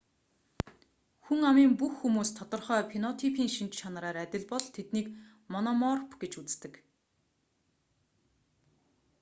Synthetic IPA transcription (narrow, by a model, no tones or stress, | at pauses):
xuŋamiːŋpuxːumuːst̪ʰɔt̪ɞ̆rχœːpʰinɔt̪ʰipʰiːŋʃint͡ɕt͡ɕʰanɾaːɾæt̪ʲɪ̆ɮpɔɮt̪ʰet̪niːk | mɔnɔmɔrpɡet͡ɕut͡s̆t̪ɘ̆k